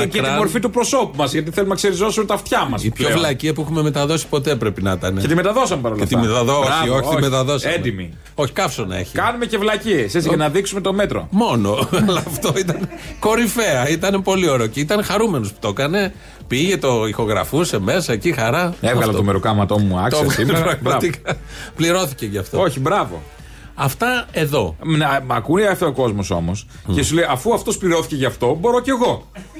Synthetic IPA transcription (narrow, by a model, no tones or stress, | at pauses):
ceɾiɐmo̞ɾfit̪upɾoso̞pumɐzʝɐt̪iθelumnɐkseɾizo̞sumet̪ɐft̪çɐmɐ̰sipçovllɐciɐpuexume̞me̞t̪ɐðo̞si̥po̞t̪e̞pɾe̞pinɐt̪ɐneet̪imet̪ɐðo̞sɐmepɐɾolet̪imet̪ɐðoioçit̪imet̪ɐðo̞sɐenmd̪imi | o̞çi̥kɐfsonɐ̰ḛçikɐnumecevlɐcieset͡siʝɐnɐðiksume̞t̪o̞me̞t̪ɾo̞̰mo̞no̞lɐft̪o̞it̪ɐneko̞ɾife̞ɐit̪ɐnepo̞lio̞ɾeoceit̪ɐnexɐɾume̞nospu̥t̪o̞kɐne̞ | piʝe̞t̪o̞ixo̞ɣɾɐ̰fuseme̞sɐecixɐɾɐevɣɐlɐt̪omeɾukɐmɐt̪o̞umuɐ̰ktoseɣɐsiepɾɐɣmɐt̪ikɐpliɾo̞θiceʝɐːft̪ooçibɾɐvo̞̰ | ɐft̪ɐe̞ðo̞nɐkunɐft̪eoko̞zmo̞so̞̰mos | cesulejɐfuɐft̪ospliɾo̞θiceʝɐːft̪o̞bo̞ɾoce̞ɣo̞